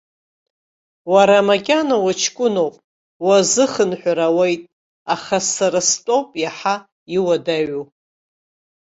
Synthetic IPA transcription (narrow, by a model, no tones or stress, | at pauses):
waɾamakʲʼanawat͡ʃʰkʷʼʊno̞wpʼ | wazɨχənħʷᶣaɾawejtʼ | aχasaɾastʼo̞wpʼjaħa | iwadaɥu